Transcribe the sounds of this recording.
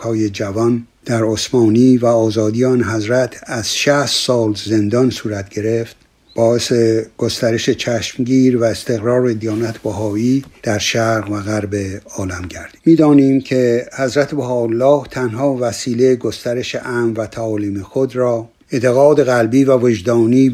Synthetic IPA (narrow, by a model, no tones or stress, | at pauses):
ɒːjed͡ʒævɒn | d̪̥æɾosmɒːniːvæɒːzɒːd̪ijːnɦæzɾæt̪ʰæz̥ʃæst̪sɒːlze̞nd̪ɒnsuːɾæt̪̚ʰɟ̥e̞ɾe̞ft̪ | b̥ɒːeseɡ̥o̞st̪æɾe̞ʃet͡ʃʰæʃmɟiːɾvæest̪e̞ɣɾɒːɾed̪ijɒːnæt̪ʰbæɦɒːiːd̪̥æɾʃæɾɣvæɣæɾbeɒːlæmɟæɾd̪̥imiːd̪ɒːniːmkʰe̞hæzɾæt̪ʰebæhɒːlːɒːht̪ʰænhɒːvæsiːlejɡo̞st̪æɾe̞ʃeʔæmvæt̪ʰæɒːliːmexod̪ɾɒː | ent̪ʰeɣɒːd̪e̞ɣælbiːvævod͡ʒd̪ɒːniː